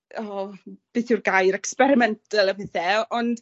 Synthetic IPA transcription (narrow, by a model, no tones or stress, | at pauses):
ɔb̥ɨθurɡajɾɛkspɛɾɪmɛntʰəlˠəveθɛɔnd̥